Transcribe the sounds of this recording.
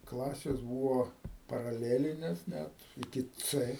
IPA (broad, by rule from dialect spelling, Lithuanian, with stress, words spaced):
ˈklˠɑːsʲeːs ˈbuːʋoː pɐrɐˈlʲæːlʲɪnʲeːs ˈnʲɛt ɪˈkʲɪ ˈt͡sɘ